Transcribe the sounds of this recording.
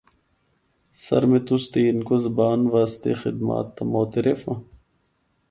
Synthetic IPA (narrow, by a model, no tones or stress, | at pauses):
sɐ̰ɾmet̪ust̪iːnkozɐbaːnʋaːst̪ḛxɪd̪ma̰ːt̪ːɐmoːt̪eɾefɐ̃